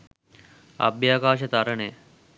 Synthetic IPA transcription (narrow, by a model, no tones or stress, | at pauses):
ɐ̰bjaːkaːʃɐt̪aɾɐɳeː